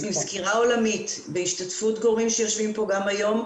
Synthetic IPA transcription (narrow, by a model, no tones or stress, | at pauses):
nizkiʁao̞lamitbeiʃtatfutɡo̞ʁimʃejo̞ʃvimpo̞ɡamajo̞m